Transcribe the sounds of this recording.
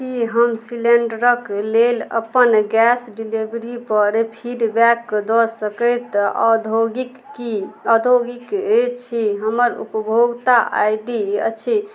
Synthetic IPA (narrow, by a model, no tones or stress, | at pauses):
kiɦəmsileɳɖɾəklelə̰pənɡɛsɖilibɾipəɾpʰiɖbɛkːd̪ɔsəkət̪d̪ʱoɡikiəd̪ʱoɡiket͡ʃʰiɦəməɾṵpəbʱoɡt̪aʔa̰jɖiə̰t͡ʃʰi